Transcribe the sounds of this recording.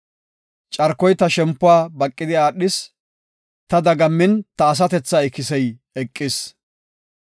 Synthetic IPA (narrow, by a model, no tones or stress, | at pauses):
t͡ʃʼɐɾkːɔjt̪ɐʃɛmpːʊaːbɐkʼːɪd̪ɪaːɗɪs | t̪ɐd̪ɐɡɐmːɪnt̪ɐːs̬ɐt̪ɛt͡sːɐɪkːɪsɛj | ɛkʼːɪs